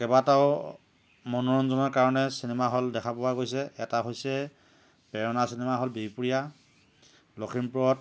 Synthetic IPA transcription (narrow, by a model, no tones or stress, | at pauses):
kɛbataʊ | mɔnɔɹɔnzɔnɔɹkaɹɔnɛsinɛmaɦɔldɛkʰapʊwaɡojsɛɛtaɦojsɛ | pɛɹɔnasinɛmaɦɔlbipuɹija | loxʰimpʊɔt̚